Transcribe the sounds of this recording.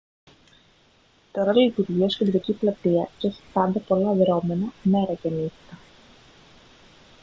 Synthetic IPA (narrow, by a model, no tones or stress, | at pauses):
t̪o̞ɾɐt̪olit̪uɾʝiɐsked̪ɾɐciplɐt̪iɐcesi̥pɐnd̪epo̞lɐðɾo̞me̞nɐme̞ɾɐcenit̪i̥t̪ɐ